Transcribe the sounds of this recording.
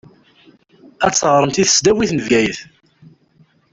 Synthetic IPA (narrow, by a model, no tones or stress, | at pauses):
æt͡sːəʁɾˤəmt̪iθə̥sd̪æwiθnəvjæjəθ